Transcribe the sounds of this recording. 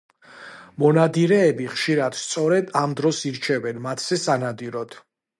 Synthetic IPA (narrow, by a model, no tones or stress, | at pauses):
mɔnad̪iɾɛːbiχʃiɾad̪̥st̪sʼɔɾɛd̪amd̪ɾɔsiɾt͡ʃʰɛvɛnmat̪ʰz̥ɛsanad̪iɾɔd̪̥